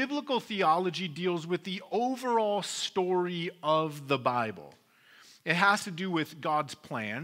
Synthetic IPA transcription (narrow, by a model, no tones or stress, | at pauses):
ɪbləkl̩ˠθiɑlˠəd͡ʒidilˠzwɨðioʊvə˞ɔlˠstɔɹiʌvðəbaɪb̰l̩ˠ | ɨt̚ɦəz̥tɨdɨwɪðɡɑdz̥pʰl̥æ̃n